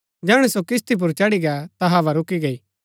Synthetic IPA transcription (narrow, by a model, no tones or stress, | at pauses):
d͡ʒɛːɽ̃ɛsokɪs̬t̪ʰip̬ʊɾt͡ʃɐɽiɡat̪ɐɦaːʋaɾʊkiɡɐiː